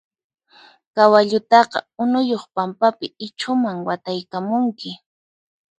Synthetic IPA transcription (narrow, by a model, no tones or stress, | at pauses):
kawaʎʊt̪ɑqɑ̰ʊnʊjoχpampapɪɪt͡ʃʰʊmaŋwat̪ajkamʊŋkɪ